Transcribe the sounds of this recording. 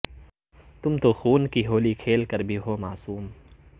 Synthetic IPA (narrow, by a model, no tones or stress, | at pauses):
t̪ʊmt̪oxuːnkiɦoːlikʰeːlkɐɾbʱiɦoːmaːsuːm